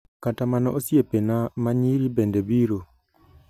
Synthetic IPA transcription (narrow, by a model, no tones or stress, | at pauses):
katamanɔʔosjepenamaɲiɾibendebiɾo